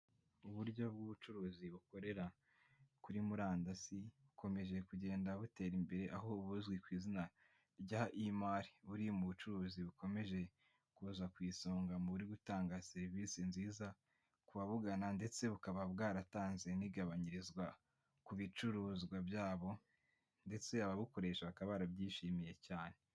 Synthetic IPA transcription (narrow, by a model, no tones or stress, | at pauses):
uβuɾɟo̞b̚ɡuβut͡ʃuɾuːziβuko̞ɾe̞ɾa | kuɾimuɾaːndasiβuko̞me̞ʒe̞kuɟe̞ːndaβute̞ːɾimbe̞ɾe̞ʔaɦo̞ːβuzɡwikwiːzina | ɾɟaʔimaɾi̥βuɾimuβut͡ʃuɾuːziβuko̞me̞ʒe̞ | kuːzakwiːsoːŋɡamuβuɾiɡutaːŋɡase̞ɾivisinziːza | kuβaβuɡanande̞t͡se̞βukaβab̚ɡaːɾataːnze̞niɡaβaɲiɾizɡwa | kuβit͡ʃuɾuːzɡwabjaːβo̞ | nde̞t͡se̞aβaβuko̞ɾe̞ːʃaβakaβaɾabɟiːʃiːmije̞caːne̞